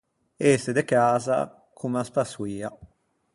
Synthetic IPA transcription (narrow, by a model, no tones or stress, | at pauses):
esed̪ekaːza̰ | kʰumaspaswiːa